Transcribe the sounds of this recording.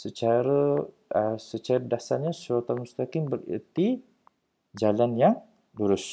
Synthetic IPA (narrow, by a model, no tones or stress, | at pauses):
sət͡ʃaɾə | əsət͡ʃaɾədasaɲasuat̪amust̪akɪmbərə̰t̪i | d͡ʒalanjaŋ | luɾʊs